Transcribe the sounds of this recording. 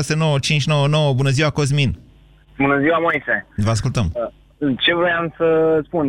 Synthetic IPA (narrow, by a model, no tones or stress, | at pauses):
aseno̞wət͡ʃint͡ʃno̞wəno̞wəbunəziwakoz̬min | bunəziwamo̞jsevəaskult̪əm | t͡ʃe̞vɾojamsəspun